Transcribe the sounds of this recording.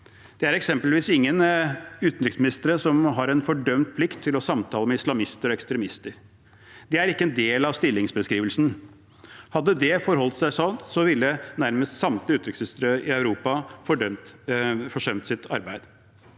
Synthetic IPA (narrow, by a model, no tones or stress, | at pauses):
d̪̥ɛæɾɛksɛmpəlʋiːsɪŋːənʉːt̪nɾʏksmɪnɪst̪əɾəsɔmɦɑɾɛnfɔɖœmt̪̚pʰlɪkt̪ʰːɪlɔsɑmt̪ʰɑːləmɛɪslɑmɪst̪əɾɔɛkst̪ɾɛmɪst̪əɾ | d̪ɛæɾɪkːəɛnd̪eːlɑʋst̪ɪlːɪŋsbəskɾiːʋəlsn | hɑd̪ːəd̪ɛfɔɾɦɔlt̪sæɪsɔnt̪sɔʋɪlːənæɾməst̪sɑmt̪ləʉːt̪ɾʏksnɪst̪ɾəʔɪɑʉɾuːpɑfɔɖœmt̪fɔʂœmt̪sɪt̪ʰɑ̰ɾbæɪd̪